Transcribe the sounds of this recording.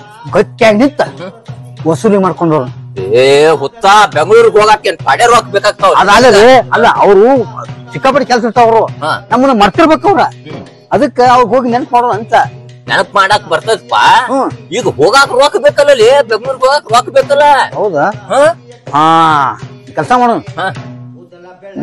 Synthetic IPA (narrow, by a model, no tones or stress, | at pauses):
ɡɐʈ̚kaːɡnint̪ɐ | ʋɐsuːlimaːɽkoɳɖoɾueɦɔt̪ːabeŋɡɭuːɾɡɦoːɡaːkenpɐɽeɾaːk̚beːkaːɡ̚t̪aʋɾɐd̪aːɡɐd̪eɐlːɐʔɐʋɾut͡ʃikːap̬ɐɽikɛls̬ɐɾt̪aːʋɐɾuɦãnɐmːɐnːɐmɐɽt̪iɾbeːkɐʋɾɐ | ɐd̪ɐkːeɐʋɾɡɦoːɡinɛnɐkmaːɽonɐnt̪ɐ | nɛnɐkmaːɽaːkːbɐɾt̪aːd̪ɐpːa̰ɦaiːɡɐɦoːɡaːkɐɾoːkbeːkɐlːɐlːibeŋɡɐɭuːɾɡɦoːɡaːkɐɾaːkbeːkɐlːɐɦɐwd̪aɦaɦaː | kʲɛlsɐmaːɽonuɦãː